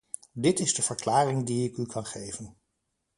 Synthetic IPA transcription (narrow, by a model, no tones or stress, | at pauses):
dɪtɪzdəv̥əɹklaːrɪŋdiɪkykʰɑnχejvən